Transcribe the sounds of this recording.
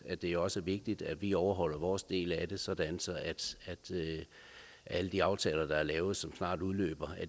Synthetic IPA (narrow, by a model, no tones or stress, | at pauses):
æd̥e̝æjoɒ̽sʋe̝ɡ̥̚d̥id̥æ̥ʋiɒʊɐɦɒ̽l̰ɐʋɒːsd̥e̝̰ːlæd̥e̝sɒ̽d̥ænsɒ̽ʔæd̥æd̥ø | ʔæləd̥iɑ̈ʊt͡sʰɛ̰ːlɐd̥ɑ̈æɐlɛːʊð̞̩ˠsɒ̽msnɑ̰̈ːduðˠlø̰ːb̥ɐæ